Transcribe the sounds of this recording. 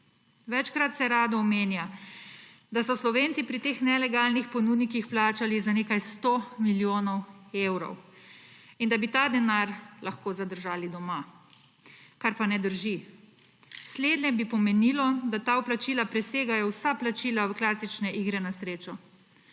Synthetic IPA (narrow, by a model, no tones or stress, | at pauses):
ʋɛt͡ʃkɾat̪sɛɾaːd̪ɔɔmeːnja | d̪asɔslɔʋeːnt̪sipɾit̪exnɛlɛɡaːlnixpɔnuːd̪nikixplaːt͡ʃalizaneːkajst̪omiljoːnɔwewɾɔ̰w | ind̪abit̪aːd̪ɛnaːɾlaxkoːzad̪əɾʒaːlid̪ɔma | kaɾpanɛd̪əɾʒi | sleːd̪nɛbipɔmɛniːlɔd̪at̪aːɔplat͡ʃiːlapɾɛseːɡajɔwsaplat͡ʃiːlawklaːsit͡ʃnɛʔiːɡɾɛnasɾeːt͡ʃɔ